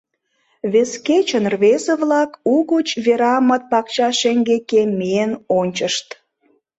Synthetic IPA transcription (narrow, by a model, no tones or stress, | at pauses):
βesket͡ɕənrβezeβlɑkuɣət͡ɕβeɾɑmət̪̚pɑkt͡ɕɑʃeŋɡekemienonʲt͡ɕəʃt̪